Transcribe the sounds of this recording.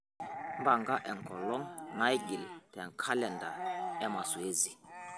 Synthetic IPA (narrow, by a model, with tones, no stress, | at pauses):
mba˨ŋɡa˦ʔɛ˨ŋ˨kɔ˨lɔ˦ŋna˦jɡi˨ltɛ˨ŋkʰa˦lɛ˨nda˨ɛ˦ma˨su˨e˦zi˨